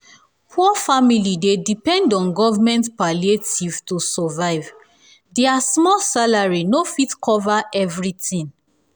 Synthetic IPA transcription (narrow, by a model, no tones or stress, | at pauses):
pʰuɔfamilidedipɛ̃ndɔ̃nɡɔvamɛ̃ntpalietiv̥tusɔvaɪv | dɛasmɔlsalaɹinofitkʰɔvaʔɛvɹitĩŋ